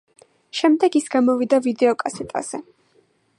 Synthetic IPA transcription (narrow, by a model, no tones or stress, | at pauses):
ʃɛmd̪ɛɡisɡamɔvid̪avid̪ɛɔkʼasɛt̪ʼa̰z̥ɛ